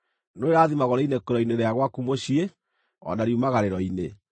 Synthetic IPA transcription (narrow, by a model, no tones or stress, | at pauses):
noeɾaːðimaɣɔɾɔinekoɾɔineɾeaɣwakumoɕie | ɔ̰naɾiumaɣaɾeɾɔine